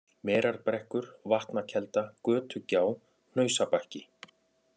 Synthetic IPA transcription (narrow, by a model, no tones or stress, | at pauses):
mɛːɾaɾpɾɛhkʏɾ̥vaht̪nacʰɛlt̪akœːt̪ʰʏcaːw | n̥œːɥsapahcɪ